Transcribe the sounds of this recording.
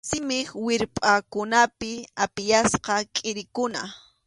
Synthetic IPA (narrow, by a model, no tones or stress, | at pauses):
sɪmɪχwɪɾpʼakʊnapɪapɪjasqɑkʼɪɾɪkʊna̰